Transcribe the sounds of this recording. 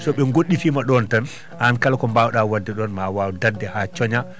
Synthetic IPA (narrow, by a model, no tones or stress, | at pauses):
sɔɓɛŋɡoɗːifimaɗɔntan | ʔankalakɔmbawɗawadːɛɗɔnmawawdadːɛhat͡ʃɔɲa